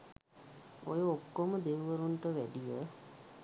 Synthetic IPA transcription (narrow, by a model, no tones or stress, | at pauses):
ojəokːoməd̪eʋʋəɾuɳʈəʋæɖijə